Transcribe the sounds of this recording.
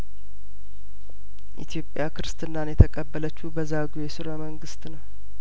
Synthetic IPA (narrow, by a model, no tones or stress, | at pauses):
ʔḭt̪ʰijo̞pʼːjakʰɨɾɨst̪ʰʼɨnːanjɛt̪ʰəkʼəbːələt͡ʃːubəzaɡujɛsɨɾəməŋɡɨst̪nəw